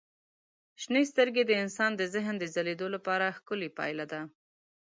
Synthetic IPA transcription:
ʃnəst̪əɾɡed̪əɪnsɑnd̪əzɪɦnd̪əzaled̪olapɑɾaxkʊlipɑ̰jlad̪a

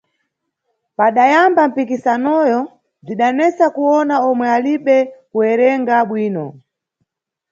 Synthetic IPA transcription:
paɗajambam̩pikisanɔjɔ | b͡ʐiɗanɛt͡sakuwɔnaɔmwɛaliɓɛkuɛɾɛŋɡaɓwiːnɔ

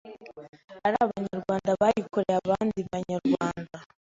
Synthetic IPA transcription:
aɾaβaɲaɾɡwaːndaβajikoɾeaβaːndiβaɲaɾɡwaːnda

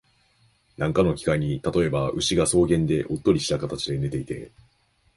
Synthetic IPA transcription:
nʔãŋkano̞kʲi̥kaiɲ̟it̪at̪o̞e̞baɯ̟ɕiɡaso̞ːɡẽ̞nd̪e̞ʔo̞t̪ːo̞ɾʲiɕi̥t̪akat̪at͡ɕid̪e̞ne̞t̪e̞it̪e̞̰

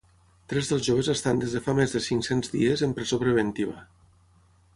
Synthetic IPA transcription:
t̪ɾɛzðəlˠzʒoβəzəst̪and̪ezðəfamezðəsiŋksenzðḭəzəmpɾezopɾəβ̞ent̪iβ̞ə

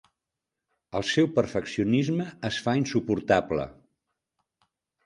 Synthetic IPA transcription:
əlˠsɛwpəɾfəksiunizməːsfainsupuɾt̪ablə̰

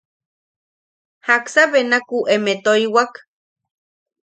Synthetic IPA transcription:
haksaβenakuʔemet̪oiwak

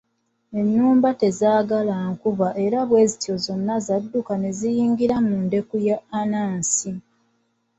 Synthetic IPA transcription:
e̞nːuːmbate̞zaːɡalaŋkuβaʔe̞ɾaβwe̞ːzitio̞zo̞nːazadːukane̞zijiːŋɡiɾamuːnde̞kujaːnaːnsi

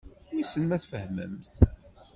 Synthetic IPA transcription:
jisənmæθfəhmə̰mθ

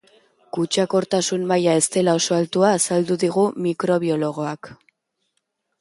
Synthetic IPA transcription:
kut͡ʃako̞ɾt̪asunmajae̞st̪e̞lao̞so̞alt̪uaːsald̪uðiɣ̞umikɾo̞β̞iolo̞ɣ̞o̞ak

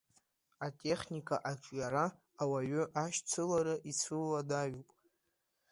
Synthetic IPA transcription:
atʼe̞χnikʼaʔat͡ʃʼjaɾaː | waɥʏʔaʃt͡sʰɨlaɾaʔit͡sʰɨlːadaɥupʼ

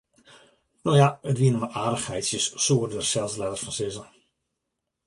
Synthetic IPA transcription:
nowjaətʋiənəmaʔaːdəxhɛjtsjəssuərdərsɛlˠslɛdərsfɔnsɪzə

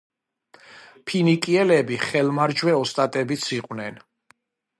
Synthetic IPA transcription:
pʰinikʼiɛlɛbiχɛlmaɾd͡ʒwɛɔst̪ʼat̪ʼɛbit̪sʰiqʼwnɛn

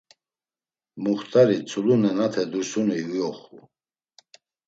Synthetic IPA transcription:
muχt̪ʼaɾit͡sʰʼulunɛnat̪ʰɛd̪usuniwɔχu

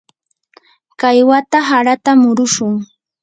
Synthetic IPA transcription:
kajwat̪aɦaɾat̪amʊɾʊʃʊŋ

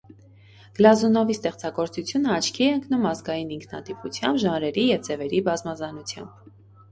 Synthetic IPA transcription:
ɡ̥əlɑzunɔvist̪ɛχt͡sɑɡɔɾt͡sut͡sʰjunəɑt͡ʃʰkʰiɛəŋknumɑzɡɑjiniŋkʰnɑ̰t̪iput͡sʰjɑmbʒɑnɾɛɾijɛvd͡zɛvɛɾibɑzmɑzɑnut͡sʰjɑ̰mb̥

